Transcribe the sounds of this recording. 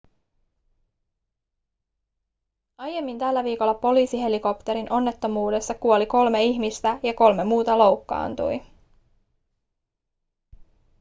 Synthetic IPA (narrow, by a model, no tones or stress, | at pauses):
ɑje̞mːint̪ælːæʋiːko̞lːɑpo̞liːsiɦe̞liko̞pt̪e̞ɾinʔo̞nːe̞t̪ːo̞muːde̞st̪ɑkuo̞liko̞lme̞içmist̪æjɑko̞lmemuːt̪ɑlo̞wkːɑ̰ːnt̪ṵj